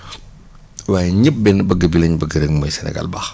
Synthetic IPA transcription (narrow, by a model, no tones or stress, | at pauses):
waːjɛɲəp̚bɛnbɐɡəbilɐɲbɐɡəɾeŋmɔjsɛnɛ̰ɡa̰lbax